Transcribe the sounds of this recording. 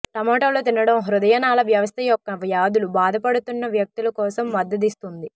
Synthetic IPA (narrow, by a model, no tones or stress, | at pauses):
ʈɐmɔːʈɐːloːt̪inɐɽɐmɦɾud̪ɐjɐnaːlɐʋjɐʋɐst̪ɐjɔkːɐʋjaːd̪ulubaːd̪ʱɐpɐɽut̪unːɐʋjɐk̚t̪ulɐkɔːsɐmːɐd̪ːɐd̪̬ist̪und̪i